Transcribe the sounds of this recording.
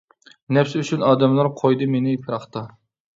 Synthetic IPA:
nɛpsɪyt͡ʃʰynɑːd̪ɛmlˠɑɾqʰojd̪ɨmenɪpʰɨɾɑχt̪ɨ

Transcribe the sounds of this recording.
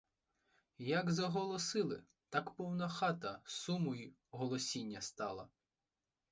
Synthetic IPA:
jɐɡzɐɦɔlˠɔsɪlˠɪ̰ | t̪ɑkpɔwnɐxɑt̪ɐsumɔju | ɦɔlˠɔsʲinʲːɐst̪ɑlˠɐ̰

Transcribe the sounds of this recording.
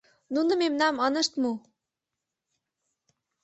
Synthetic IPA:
nunɤ̆memnɑmɑnɤ̆ʃt̪mu

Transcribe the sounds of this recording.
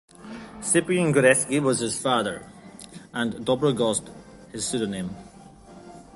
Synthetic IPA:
sɪpiə̃ŋɡəɾɛskiwɔz̥ɪz̥faðə˞ | ə̃ndɔbɹəɡɔst | hɪz̥sʉɾənẽm

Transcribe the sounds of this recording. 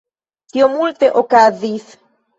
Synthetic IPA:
t̪jomult̪eʔokaðiθ

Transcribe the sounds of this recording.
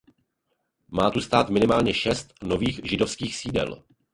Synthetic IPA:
maːt̪ust̪aːt̪mɪnɪmaːlɲɛʃɛst̪no̞viːxʒɪdo̞fskiːxsiːdɛ̰l

